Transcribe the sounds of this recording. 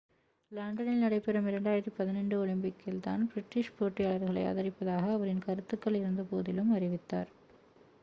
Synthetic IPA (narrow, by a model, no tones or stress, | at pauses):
laːɳɖɐnɪlnɐɽɐɪpːɛɾɐmɪɾɐɳɖaːjɪɾɐt̪ːipɐðɪnɐɳɖɯɔɭɐmpɪkːɪlt̪a̰ːnbɪɾɪʈːɪʂpoːʈːɪjaːɭɐɾɣɐɭɐ̰ɪɐ̰ːðɐɾɪpːɐðaːɣɐːʋɐɾɪnkɐɾɯt̪ːɯkːɐɭɪɾɯnd̪ɐpoːðɪlɯmɐrɪʋɪt̪ːa̰ːɾ